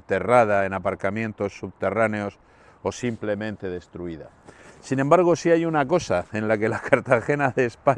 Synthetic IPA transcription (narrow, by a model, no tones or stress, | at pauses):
t̪e̞rað̞ae̞napaɾkamjẽ̞nt̪o̞sːuβ̚t̪e̞rane̞o̞s | o̞simple̞mẽ̞nt̪e̞ð̞e̞st̪ɾuiða̰ | sinẽ̞mbaɾɣ̞o̞siajunako̞saẽ̞nlake̞lakaɾt̪axe̞naðe̞ːspa